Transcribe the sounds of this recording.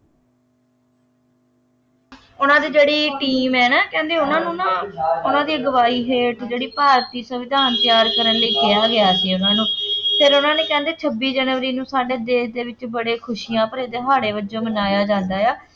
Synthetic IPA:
ʊnãːd̪iːd͡ʒeːɽiːʈiːmɛːnaːkɛ̃ːnd̪eːʊnãːnũːnãːʊnãːd̪iːɡəʋaːiːɦeːʈd͡ʒeːɽiːpaːɾt̪iːsəʋɪd̪ʱaːnt̪ɪjaːɾkəɾənləiːkɪjaːɡɪjaːsiːʊnãːnũːpʰeɾʊnãːneːkɛ̃ːnd̪eːt͡ʃʰəbːiːd͡ʒɛːnːəɾiːnũːsaːɖeːd̪eːsd̪eːʋɪt͡ʃbəɽeːkʰʊʃiːjãːpəɾeːd̪eːɦaːɽeːbəd͡ʒoːbənaːjaːd͡ʒãːnd̪aːjaː

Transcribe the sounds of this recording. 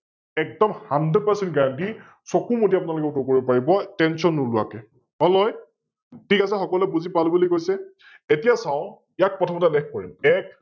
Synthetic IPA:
ɛk̚dɔmhanded̚pəsɛntɡaɹanti | sɔkumutiapʊnalʊkɛtɔkoɹibɔpaɹibɔtɛnsɔnːulʊwakɛ | ɔlɔj | tʰikasɛxɔkɔlɛbuzipalubulikojsɛ | etijasaʊ̃ | jak̚pɹɔtʰɔmɔtɛlɛkkɔɹḭmɛk

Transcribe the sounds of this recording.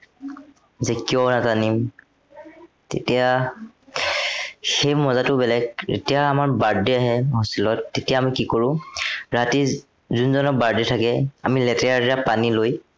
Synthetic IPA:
zekiɔnatanim | tḛtia | xejmɔzatʊbɛlɛɡḛtijaːmaɹbaɹdiaɦɛɦosilɔtːetijaːmikikoɹʊ̃ɹati | zunzɔnɔk̚baɹditʰakɛamilɛtɛaɹiapaniloj

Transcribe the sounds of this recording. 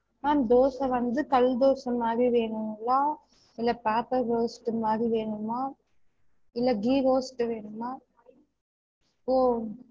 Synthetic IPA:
naːd̪oːsɐ̃ʋɐnd̪ɯkɐld̪oːsɐmːaːd̪ɾiʋeːɳɯlːaː | ɪlːɐpaːpɐɾɡoːsʈɯmaːd̪ɾiʋeːɳɯmaː | ɪlːɐɡiːɡoːsʈːɯʋeːɳɯmaː | poː

